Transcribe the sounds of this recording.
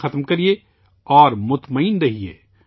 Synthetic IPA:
ɐt̪mkɐɾie | ɔːɾmʊt̪mɐiːnɾɐɦiḛː

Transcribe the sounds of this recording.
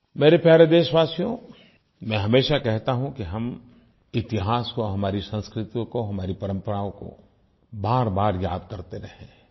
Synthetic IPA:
meːɾepjaːɾed̪eːʃʋaːsijõ | mɛ̃ɦɐmeːʃakɛɦt̪aɦũkiɦɐm | ɪt̪ɪɦaːskoɦɐmaːɾisɐ̃nskɾɪt̪ijõkoɦɐmaːɾipɐɾə̃mpəɾaːõko̰ | baːɾbaːɾjaːd̪̚kɐɾt̪eɾɐɦẽː

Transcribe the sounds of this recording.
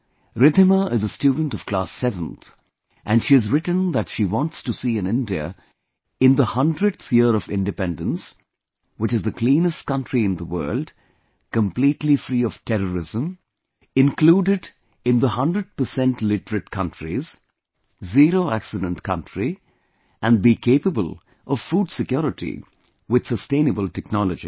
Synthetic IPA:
ɾɪd̪ʱɪməʔɪzəstjudⁿn̩tɔv̥kl̥asɛvə̃nt̪ | ʔæ̃nʃiɨzɾɪʈə̃n̩ðætʃiwɔ̃ntstusiɨ̃nɪ̃ndiə̰ | ɪ̃nd̪əhʌ̃ndɹɨd̪θjɪəɾʌvɪ̰̃ndɨpɛ̃ndə̃ns | wɪt͡ʃɨzðəkʰlĩːnəst̚kʌ̃ntɹiɪ̃nd̪əwɜ̰ːld | kə̃mpliːtlifɾiːɔv̥tʰɛɾəɹɪzə̃m | ɪ̃nkluːɖɪɖ | ɪ̃nðəhʌ̃ndɾəɖ̚pə˞sɛ̃nʈlɪʈəɾɨʈ̚kʰʌ̃ntɹiz | ziɾoæksɨdə̃ntkʰʌ̃ntɹi | ʔæ̃n̚bikʰeɪpəbəl | ʔɔv̥fuːdsɪkjɔɾɪʈʰḭ | wɪd̪̥səstẽɪ̃nəbəlˠtɛknɔləd͡ʒḭ

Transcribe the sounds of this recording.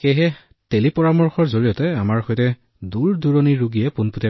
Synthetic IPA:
keɦɛ | telipɔɹamɔɹxɔɹzoɹijɔtɛamaɹxɔjtɛ | duɹduɹoniɹuɡijɛpunputɛ

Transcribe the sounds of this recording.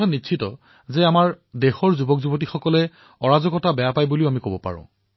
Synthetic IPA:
anitːʃʰitɔ | zeamaɹ | dexɔɹzubɔkzubɔt̬ixɔkɔlɛ | ɔɹazɔkɔtabɛjapajbuliʊamikobɔpa̰ɹʊ̰̃

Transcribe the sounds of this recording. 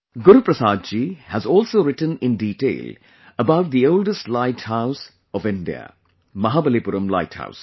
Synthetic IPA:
ɡʊɾupɾɐsaːd̪̚d͡ʒiːhæzɔːlsoːɾɪʈə̃nɪ̃nɖiːʈḛːl | əbaʊʈ̚d̪iolɖəsʈlaɪʈhaʊs | ɔfɪ̃nɖḭa̰ | mɐɦaːbəleːpuɾə̃mla̰ɪʈha̰ʊs

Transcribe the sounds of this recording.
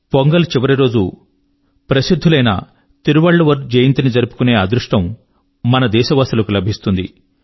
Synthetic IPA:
poŋɡɐlt͡ʃiʋɐɾiɾo̞ːd͡ʒu | pɾɐsid̪ʱːulɐjnɐ̰ | t̪iɾuʋɐɭːɐʋɐɾd͡ʒɐjɐnt̪inid͡ʒɐɾupu̥kune̞ːaːd̪ɾuʂʈɐmː | ɐnɐd̪ɛːʃɐʋaːst̪ulɐkulɐbʱist̪und̪ḭ

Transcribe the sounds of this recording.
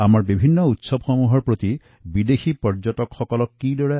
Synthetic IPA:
amaɹbibʱinːɔut̪sɔbxɔmuɦɔɹpɹot̪i | bid̪exipɔɹd͡ʒɔtɔkxɔkɔlɔkːidɔɹe

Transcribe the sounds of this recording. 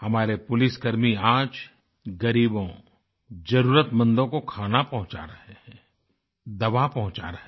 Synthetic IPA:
hɐmaːɾepʊlɪsɡɐɾmiaːd͡ʒ | ɡɐɾiːbõ | d͡ʒɐɾuːɾət̪mɐ̃nd̪õkokʰaːnapɐɦʊ̃t͡ʃa̰ɾɐɦeɦɛ̃ | d̪ɐʋapɐɦʊ̃t͡ʃa̰ɾɐɦe

